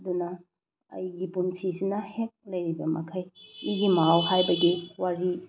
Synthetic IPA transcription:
ɐdunɐ̰ː | jɡipunsisinɐhek̚lɐjɾibɐmɐ̰kʰajiɡimawhajbɐɡiwaɾi

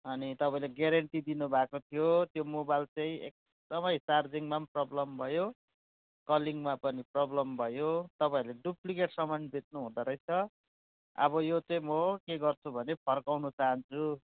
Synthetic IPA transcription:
ʌnit̪ʌpaĩleɡjaɾʌɳʈid̪inubʱakot̪ʰijot̪jomobajlt͡sʌĩḛk̚ | d̪ʌmʌjsard͡ziŋmamprʌblʌmbʱʌjo | kʌliŋmapʌniprʌblʌmbʱʌjot̪ʌpaĩleɖuplikeʈsʌmʌnbʱet̪̚nuɦũd̪aɾʌjt͡sʰʌ | ʌ̰bʌjot͡sʌĩmʌkeɡʌrt͡sʰubʱʌnepʰʌrkawnut͡saɦʌnt͡sʰu

